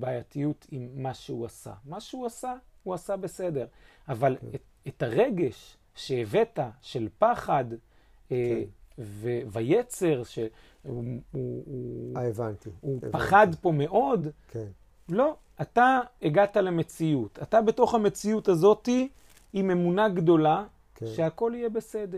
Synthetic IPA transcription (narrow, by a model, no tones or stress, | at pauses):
baːjatijutʰimːaʃeuasa̰maʃeuasauasabe̞se̞de̞ʁ | avale | etaʁe̞ɡe̞ʃ | ʃeeve̞taʃe̞lpaχad | vevajet͡se̞ʁʃe | uu | evantiupaχadpo̞me̞ʔo̞dken | lo̞ | ataeɡataleme̞t͡siutatabe̞to̞χhame̞t͡siutazo̞tiː | me̞munaɡdo̞la | ʃe̞ako̞lijebe̞se̞de